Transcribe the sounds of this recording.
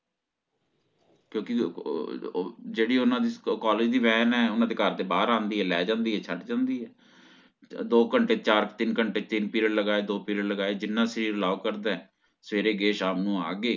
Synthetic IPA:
kjõːkɪ | d͡ʒeːɽiːʊnãːd̪iːkaːled͡ʒd̪iːʋɛːnɛːʊnãːd̪eːkəɾd̪eːbaːɾãːnd̪iːɦɛːlɛːd͡ʒãːnd̪iːɛːt͡ʃʰəʈd͡ʒãːnd̪iːɦɛː | d̪oːkəɳʈeːt͡ʃaːɾt̪ɪnkəɳʈeːt̪ɪnpiːɾəɖləɡaːeːd̪oːpiːɾəɽləɡaːeːd͡ʒɪnːãːsəɾiːɾəlaːkəɾd̪ɛ̃ɛ̃ː | səʋeːɾeːɡeːʃaːmnũːa̰ːɡeː

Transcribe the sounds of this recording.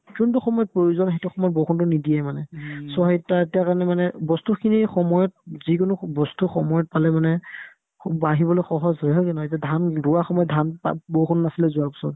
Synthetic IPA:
kuntuxɔmɔjɔt̚pɹojuzɔnxejtuxɔmɔjɔt̚bowxʰuntʊnidijɛjmanɛsɔɦetːaetijakaɹnɛmanɛbɔstukʰinixɔmɔjɔt̚zik̬ʊnʊbɔstuxɔmɔjɔt̚palɛmanɛ | baɦibɔlojxɔɦɔzɦɔɦɔkɔnɔetiadʱandʊwaxɔmɔjɔt̚dʱanpa̰bowxʰunːasilɛzʊwaɹpi̥sɔt

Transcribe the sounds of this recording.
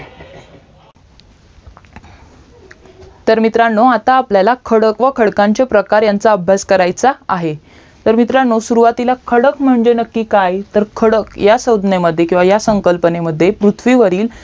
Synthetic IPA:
t̪əɾmit̪ɾaɳːoat̪aːpljalakʰəɽəkʋəkʰəɽkaɲt͡ɕepɾəkaɾjant͡saəbʱjaskəɾajt͡saːɦe | t̪əɾmit̪ɾanːosuɾuʋat̪ilakʰəɽəkm̤əɳd͡ʑenəkːiːkajt̪əɾkʰəɽəkjasəwd̪ʱneməd̪ʱːjekĩʋajasəŋkəlpəneməd̪ʱːjepɾut̪ʰʋiʋəɾiːl

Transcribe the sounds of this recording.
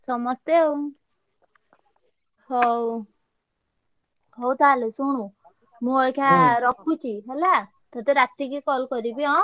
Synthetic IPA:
sɔmɔst̪eɦow | ɦɔw | ɦowt̪ʰalesuɽ̃ũ | mũɔjkʰaɾɔpːut͡ʃʰiɦela | t̪ɔt̪eɾat̪ikikɔlkɔɾibiɔ̃

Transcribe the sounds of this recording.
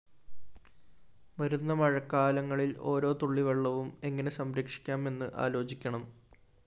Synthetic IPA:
mɐɾunːɐmɐɻɐkːaːlɐŋːɐɭilo̞̰ːɾo̞ːt̪uɭːiʋɐɭːɐʋume̞ŋːɐne̞sɐmɾekʂi̥kʲːaːme̞nːɨʔa̰ːlo̞ːt͡ɕikʲːɐɳɐm

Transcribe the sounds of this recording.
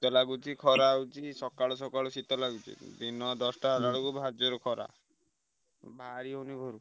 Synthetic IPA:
t̪ɔlaɡut͡ʃʰikʰɔɾawt͡ʃʰisɔkaɭɔsɔkaɭɔsit̪ɔlaɡut͡ʃʰḭd̪inɔd̪ɔsʈaɾaɭukubʱad͡ʒɔɾɔkʰɔɾa̰ | bʱaɾiɔwnibʱɔɾu

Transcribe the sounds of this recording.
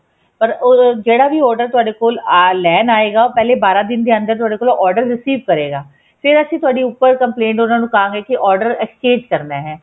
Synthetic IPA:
pəɾod͡ʒeːɽaːʋiːɔːɾɖəɾt̪ʊaːɖeːkoːllɛːnaːeːɡaːoːpɛːleːbaːɾãːd̪ɪnd̪eːənd̪əɾt̪ʊaːɖeːkoːlõʔɔːɾɖəɾːɪsiːʋkəɾeːɡaː | fʰɪɾəsĩːt̪ʊaːɖiːʊpːəɾkəmplẽːɳʈʊnãːnũːkəɦãːŋɡeːkɪʔɔːɾɖəɾɛkst͡ʃẽːd͡ʒkəɾnaːɦɛː

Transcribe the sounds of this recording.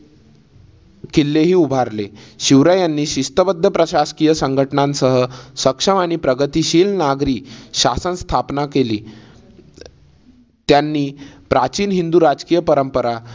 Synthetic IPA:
kilːeɦiːubʱaɾleɕiʋɾajanːiːɕist̪əbəd̪ʱːjəpɾəɕaskijəsəŋɡʱəʈnãnsəɦəsəkʂəmaɽ̃ipɾəɡət̪iːɕiːlnaɡɾiːɕasənst̪ʰapnakeliː | t̪janːiːpɾat͡ɕiːnɦind̪uːɾad͡zkiːjəpəɾəmpəɾa

